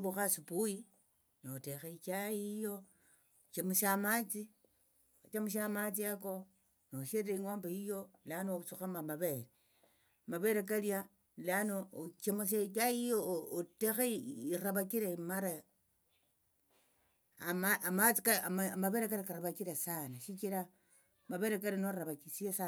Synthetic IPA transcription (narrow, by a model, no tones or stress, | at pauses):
βuxasupuji | nootexait͡ʃajijo | t͡ʃemuʃamat͡si | ot͡ʃamuʃamat͡siako | noʃeɾeiŋwaːmbaijo̞lanout͡suxamamaβeɾe | maβe̞ɾek̬alja | lanot͡ʃemus̬ekaijoːtexeiraβakiɾemaɾa | amamat͡sikamaβeɾekaɾekaɾaβakiɾesanaʃikiɾa | maβe̞ɾekalinoaβakisiesa